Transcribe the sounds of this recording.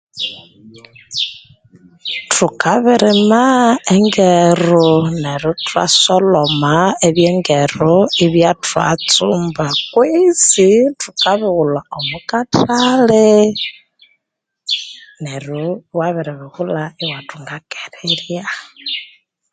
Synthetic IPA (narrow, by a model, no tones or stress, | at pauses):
tʰukaβiɾimaeŋɡeɾuneɾutʰwa̰solomaeβjeːŋɡeruiβjatwa̰t͡sumbakwisitukaβiɣulaomukatʰale | neɾuwaβiɾiβihulaiwatʰuŋɡake̥ɾilja